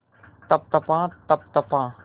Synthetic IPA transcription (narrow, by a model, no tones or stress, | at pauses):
t̪ɐp̚t̪ɐpãːt̪ɐp̚t̪ɐpãː